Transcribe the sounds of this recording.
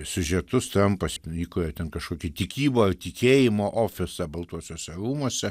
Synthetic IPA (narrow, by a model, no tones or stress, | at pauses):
sʲʊʒʲɛt̪ʊst̪ɐmpɐsiːkojoːt̪ʲɛnkɐʃkoːkʲit̪ʲɪkʲiːboːɪrt̪ʲɪkʲeːjɪmoːʔoːfʲɪsɐbɐlˠt̪uɔsʲoːsʲɛɾuːmuɔsʲɛ